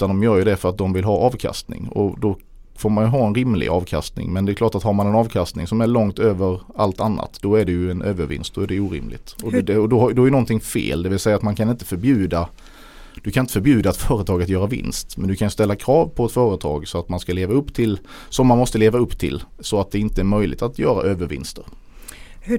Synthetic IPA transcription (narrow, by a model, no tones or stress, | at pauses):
t̪and̪ɔmjœːɾjəd̪ɛfœɾat̪̚d̪ɔmvɪlɦɑːʔɑːvkʰa̰st̪nɪ̰ŋɔ̰d̪ɔ | foːɾmanjɵɦɑːɛnɾɪmlɪ̰ɡɑ̰ːvkʰa̰st̪nɪ̰ŋmɛnd̪ɛɛklɑːʈat̪haɾmanɛnɑːvkʰast̪nɪŋsɔmæɭɔŋt̪øːvəɾalt̪anːa̰t̪d̪̥ɔæɖɛjɵɛnʔøːvəɾvɪ̰nst̪̚d̪ɔæɖɛuːɾɪ̰mlɪ̰t̪ɔd̪ɛɔd̪ɔhad̪ɔɛæɾjənɔnt̪ʰɪŋfḛːld̪ɛvɪlsɛjːat̪mankʰanɪnt̪əfœɾbjʉ̟ːd̪a | d̪̥ɵkʰanɪt̪əfœɾbjʉ̟ːd̪aɛt̪fœːɾət̪ʰɑːɡat̪jœːɾavɪ̰nst̪mɛnd̪ɵkʰanjɵst̪ɛlːakʰɾɑːvpʰɔɛt̪fœːɾət̪ʰɑ̰ːɡsɔat̪manskaleːvaɵpːt̪ʰɪlsɔmːanmɔst̪əleːvaɵpːt̪ʰɪ̰lsɔat̪̚d̪ɛɪnt̪əæɾmœjlɪ̰t̪at̪ʰjœːɾa̰ʔøːvəɾvɪ̰nst̪əɾ | h